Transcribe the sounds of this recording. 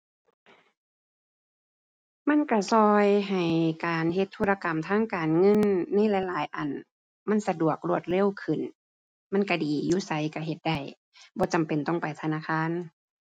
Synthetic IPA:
ma˧˥˨nka˧˩sɔː˧jɦa˨˩jkaː˨˩nɦe˧t̪ʰːu˧˨la˧ka˨˩mt̪ʰaː˧˥˨ŋkaː˨˩nŋɤ˧˥˨nːa˧˥˨jla˧˦jlaː˨˦jʔa˨˩n | ma˧˥˨nsa˧du˨˩ək̚lu˧˩ət̪̚le˧˥˨wkʰɯ˨˩n | ma˧˥˨nka˧˩diː˨˩juː˧˥˩sa˧˦jka˧˩ɦe˧˦t̪̚da˧˩j | bɔː˧˦t͡ɕa˨mpe˨nt̪ɔ˧˩ŋpa˨jt̪ʰa˧naː˧˥˨xʰaː˧˥˨n

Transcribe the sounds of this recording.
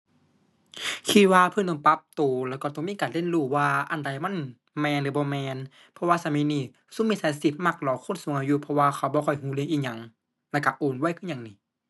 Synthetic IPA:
kʰi˧t̪̚waː˧pʰɤ˧˥˨nt̪ɔ˧˩ŋpa˧˦p̚t̪oː˨˩lɛː˧˩wkɔː˧˩t̪ɔ˧˩ŋmiː˧˥˨kaː˨nle˧˥˨nluː˧˩waː˧ʔa˨˩˨nda˨˩jma˧˥˨n | mɛː˧˨nlɯː˨˧˦bɔː˧˦mɛː˧n | pʰɔ˧waː˧˨sa˧˨miː˧˨niː˧˩ | su˧˥˨mi˧˨tsaː˧˦si˧˩p̪̚ma˧˩k̚lɔː˨˧˦kʰo˧˥˨nsu˨˧˦ŋʔa˧juː˧pʰɔ˧waː˧kʰa˧˩wbɔː˧kʰɔ˧˩jɦuː˧˦lɯ˧˨ŋʔiː˧ɲa˧˩ŋ | lɛː˧˩˨ka˧˩ʔoː˨nwaː˧˩˨jkʰɯ˧˥˨ɲa˧˨ŋniː˧˩

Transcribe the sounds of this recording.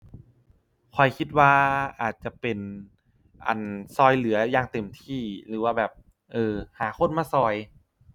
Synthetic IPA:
kʰɔ˨˩jkʰi˧˥t̪̚waː˧˥˩ʔaː˨˩t̪̚t͡ɕa˨˩pe˨˩n | ʔa̰˨˩nsɔː˧˩jlɯ˩˦ɐjaː˧˩ŋt̪e˨˩mt̪ʰiː˧˩lɯː˩˦waː˧bɛː˨˩p̚ | ʔɤː˧˩haː˩˦kʰo˧˥˨nmaː˧˥˩sɔː˧˩j

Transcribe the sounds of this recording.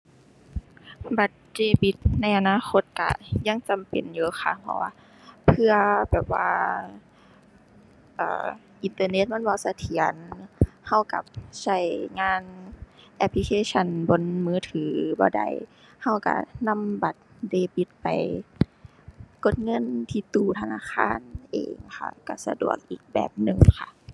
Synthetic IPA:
ba˨˩t̪̚deː˧˩bi˧˦t̪̚na˧˩jʔa˨naː˧˥˨xʰo˧˥t̪̚ka̰˧˩ja˧˨ŋt͡ɕa˨mpḛ˨˩njuː˧˩xa˧˩ha̰˧˦waː˧ | pʰɯ˧ɐbɛː˨˩p̚wa̰ː˧ | ʔa̰ː˨˩ | ʔi˨nt̪ɤː˧ne˧˩t̪̚ma˧˥˨nbɔː˧˨sa˧t̪ʰi˨˦ənha˧˥˩wka̰˧˩p̚sa˧˩jŋaː˧˥˨nʔɛ˧pʰli˧kʰeː˧˥˨sʰa˧˥˨nbo˧˦nmɯː˧˥˨t̪ʰɯː˨˦bɔː˧˦da̰˧˩j | ha˧˩wka̰˧˩na˧˥˨mba˨˩t̪̚deː˧˩bi˧˦t̪̚pa˨j | ko˧˩t̪̚ŋɤ˧˥˨nt̪ʰiː˧˩t̪uː˧˩t̪ʰa˧naː˧˥˨xʰaː˧˥˨nʔḛː˨ŋkʰa̰˧˩ka˧˩sa̰˧du˨˩ək̚ʔiː˨˩k̚bɛ̰ː˨˩p̚nɯ˨˩ŋkʰa˧˨ʔ

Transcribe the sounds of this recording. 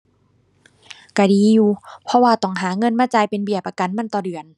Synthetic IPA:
ka˧˩diː˨˧juː˧˩pʰɔ˧waː˧˩t̪ɔ˧˩ŋɦaː˩˦ŋɤ˧˥˨nmaː˧˥t͡ɕaː˧˩jpe˧˨nbi˨˩əpʔa˧˩ka˧˨nma˧˥˨nt̪ɔː˨˩dɯ˨˩ən

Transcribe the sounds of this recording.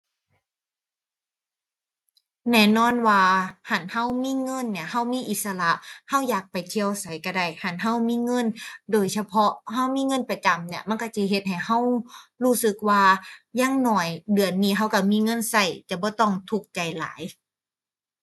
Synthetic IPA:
nɛː˧˩˨nɔː˧˥˨nwaː˧ha˨˧˩nha˧˥˩wmiː˧˥˨ŋɤ˧˥˨nːi˧˩ɐha˧˩wmiː˧˥˨ʔi˨˧˦t̪̚sa˧la˧˦ʔha˧˥˩wjaː˨˩k̚pa˨˩jt̪ʰi˧˨ə˧wsa˨˦jka˧˩da˧˩jha˧˩nɦa˧˥˨wmiː˧˥˨ŋɤ˧˥˨ndoː˨˩jsa˧pʰɔ˧˦˥ha˧˥˨wmiː˧˥˨ŋɤ˧˥˨npa˧t͡ɕa˨mni˧˥ɐma˧˥˨nkɔ˧˥˩si˧˩ɦe˧˦t̪̚ha˨˩jha˧˥˩whuː˧˩˨sɯ˧˦k̚waː˧jaː˧˥˨ŋnɔː˧˨˩jdɯ˨˩ənːiː˧˥˩ɦa˧˩wka˧˩miː˧˥˨ŋɤ˧˥˨nsa˧˩jt͡ɕɛ˨˧˩bɔː˧˦t̪ɔ˧˩ŋt̪ʰu˧˩k̚t͡ɕa˨jla̰ː˨˦j

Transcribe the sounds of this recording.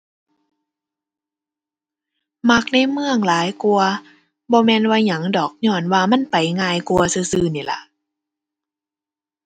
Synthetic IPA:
ma˧˩k̚na˧˥˩jmɯ˧əŋlaː˨˦jku˧ɐ | bɔː˧mɛː˧˨nwaː˧˩ɲa˨˩˦ŋdɔː˨˩k̚ɲɔː˧˩nwaː˧ma˧˥˨npa˨˩jŋaː˧jku˧ɐsɯː˧˩sɯː˧˩niː˨˩la̰˧˦ʔ

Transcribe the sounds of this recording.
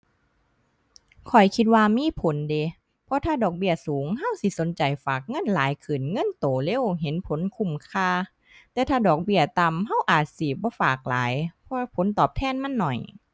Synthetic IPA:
kʰɔ˨˩jkʰi˧t̪̚waː˧miː˧˥˨pʰo˨˦nde˧˨˦ | pʰɔ˧˥t̪ʰaː˧˩dɔː˨˩k̚bi˧˩ɐsuː˨˦ŋɦa˧˥˨wsi˧˦so˨˦nt͡ɕa˨˩jfaː˨˩k̚ŋɤ˧˥˨nlaː˨˦jkʰɯ˨˩nŋɤ˧˥˨nt̪oː˨˩˦le˧˥˨wɦe˨˦npʰo˨˦nkʰu˧˩mkʰaː˧˨ | t̪ɛː˧˩t̪ʰaː˧˩dɔː˨˩k̚bi˧˩ɐt̪a˧˨mɦa˧˥˨wʔaː˨˩t̪̚si˧˩bɔː˧˦faː˨˩k̚la̰ː˨˦jpʰɔ˧pʰo˨˦nt̪ɔː˨˩p̚t̪ʰɛː˧˥˨nma˧˥˨nːɔ˨˩j

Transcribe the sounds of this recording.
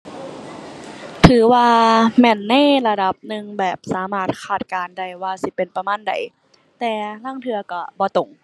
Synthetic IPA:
t̪ʰɯː˨˩˦waː˧mɛː˧˨nːa˧˥˨jla˧da˧˩p̚nɯ˧ŋbɛː˨˩p̚saː˨˦maː˧˩t̪̚kʰaː˨˩t̪̚kaː˨nda˧˩jwaː˧si˧˦pe˨npa˧maː˧˥˨nda̰˨˩j | t̪ɛː˨˩laː˧˥˩ŋt̪ʰɯ˧ɐkɔ˧˩bɔː˨˧˦t̪o˨˩ŋ

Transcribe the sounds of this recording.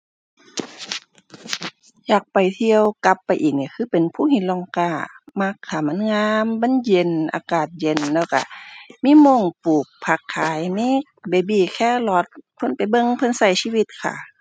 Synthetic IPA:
jaː˨˩k̚pa˨jt̪ʰi˧əwka˧˦pːa˨jʔiː˨˩k̚ni˧˩kʰɯː˧˥˨pe˨npʰuː˧˥˨hi˧˦nlɔ˧˩ŋkaː˧˩ma˧˥kʰːa˧˩ma˧˥˨nŋaː˧˥mba˧˥˨nje˧˩nʔa̰ː˧˦kaː˨˩t̪̚je˧˩nlɛː˧˩wka̰˧˩miː˧˥˨mo˧˨ŋpuː˨˩k̚pʰa˧˩kʰːaː˨˦jmiː˧˥˨ | beː˨˩biː˧˩kʰɛː˧˥˩lɔː˧˩t̪̚pʰɤ˧˥˨npa˨˩jbɤ˧˨ŋpʰɤ˧˥˨nsa˧˩jsiː˧˥wi˧˦t̪̚kʰa̰˧˩

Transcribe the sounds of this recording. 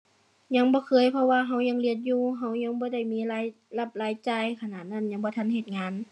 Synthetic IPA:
ɲa˧˥˦ŋbɔː˧˦kʰɤː˧˥˨jpʰɔ˧waː˧ɦa˧˥˩wɲa˧˥ŋli˧˩ət̪̚juː˧˨ɦa˧˩wɲa˧˥˦ŋbɔː˧˦da˧˩jmiː˧˥˨laː˧˦j | la˧˩p̚laː˨˧˥jt͡ɕa˧˩jkʰa˧naː˧˩t̪̚na˧˩˨nɲa˧˥ŋbɔː˧˦t̪ʰa˧˥˨nhe˧˩t̪̚ŋaː˧˥n

